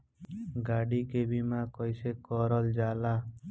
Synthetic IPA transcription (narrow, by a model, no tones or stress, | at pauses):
ɡaɽikebimãkɔjsekɔɾɔld͡ʒala